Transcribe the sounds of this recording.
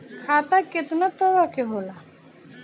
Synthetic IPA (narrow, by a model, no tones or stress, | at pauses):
kʰat̪aket̪nat̪ɔʋakeɦola